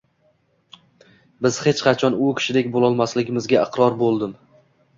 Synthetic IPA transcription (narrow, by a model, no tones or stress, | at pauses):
bɪz̥he̞t͡ʃqʰɑt͡ʃʰɒnʊkʲʰɪ̥ʃɪd̪e̞kʲbolˠɒlˠmaslɪɡʲɪmɪzɡʲaɪqɾɒɾbolˠd̪ɪm